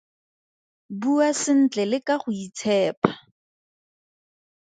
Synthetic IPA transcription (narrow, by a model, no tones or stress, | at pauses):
buasɪn̩t͡ɬɛlɪkaχʊit͡sʰɛːpḁ